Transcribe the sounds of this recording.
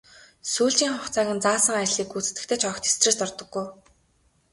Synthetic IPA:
suːɮt͡ɕiːŋχʊχt͡sʰaːɣʲə̆nt͡saːsə̆ŋajɮiːkut͡sɘ̥̆t̪ɘ̆kt̪ʰeːt͡ɕʰɔkt̪ʰe̥st̪rĕːst̪ɔrt̪ɞ̆ɡːuj

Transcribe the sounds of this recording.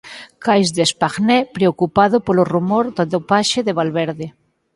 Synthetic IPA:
kajzðespaɣnɛpɾeokupaðopolorumoɾðod̪opaʃeðeβalβeɾðe

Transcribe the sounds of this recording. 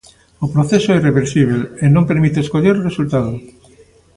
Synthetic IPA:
opɾoθesoɛireβeɾsiβ̞elenõmpeɾmit̪eeskoʎeɾresult̪aðo

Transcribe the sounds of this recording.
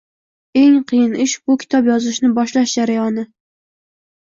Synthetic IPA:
eŋqʰɨjɪnɪʃbʊkʲʰɪ̥t̪ʰɒpjɒzɪʃnɪbɒʃlaʃd͡ʒaɾajɒnɪ

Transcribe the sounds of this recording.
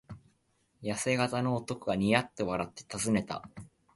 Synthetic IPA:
jase̞ɡat̪ano̞ːt̪o̞ko̟ɡaɲ̟ijat̪ːe̞βaɾat̪ːe̞̥t̪azɨne̞t̪a̰

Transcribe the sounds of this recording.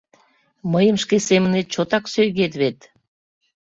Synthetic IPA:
məjəmʃkesemənet̪̚t͡ɕot̪ɑksøjɣet̪̬βet̪

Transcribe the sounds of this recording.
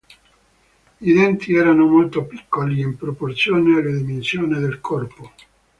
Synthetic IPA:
id̪ɛnt̪iɛːɾanomolt̪opikːoliimpɾoport̪sjoːnealːed̪imensjoːned̪elkʰɔrpo

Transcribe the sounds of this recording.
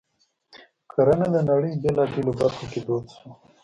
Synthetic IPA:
kʰaɾanad̪ənaɽəjbelɑbelobaɾxoked̪ot̪so

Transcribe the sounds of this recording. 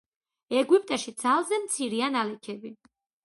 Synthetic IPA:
ɛɡwipʼt̪ʼaʃid̪z̥alˠzɛmt̪sʰiɾianalɛkʰɛbi

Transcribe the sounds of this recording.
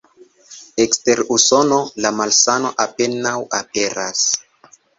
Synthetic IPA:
ekste̞ɾuso̞no̞lamalsano̞̰ʔape̞nawape̞ɾa̰s

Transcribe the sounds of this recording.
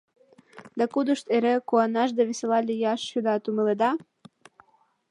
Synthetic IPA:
d̪ɑkud̪uʃt̪eɾekuɑnɑʃ̬d̪ɑβiselɑlʲijɑʃːud̪ɑt̪umĕled̪ɑ

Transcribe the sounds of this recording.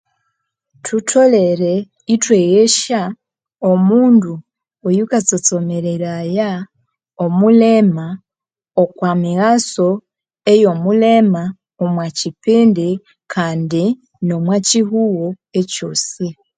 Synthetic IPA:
tʰutʰo̞le̞ɾe | itwejeʃa | omuːndu | ojukat͡sot͡so̞meɾeɾaja | omulema | okwamiɣaso̞ | ejo̞mulema | omwacipeːnde | kʰaːndi | no̞mwaciɦuwo | eco̞si

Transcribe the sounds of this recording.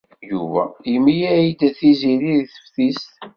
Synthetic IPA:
juvæ̰jəmːijæjid̪æθiziliðθə̥fθist̪

